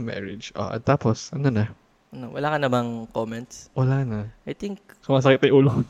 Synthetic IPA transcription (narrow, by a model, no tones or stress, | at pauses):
mɛ̰ɹɪd͡ʒʔo̰ʔɐ̰t̪ːaːposʔɐnonɐ | ʔɐnowɐ̰laːkɐnɐbɐŋkomɛnt̪swɐlaːnɐʔɐjt̪iŋk̚sʊmaːs̬ɐkit̪ɐjʔuːlo